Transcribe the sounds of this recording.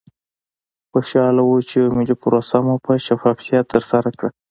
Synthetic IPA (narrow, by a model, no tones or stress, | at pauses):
xoʃɑlawut͡ʃeomɪlipʊɾosamupəʃafɑfijɑt̪ːəɾsaɾakɽa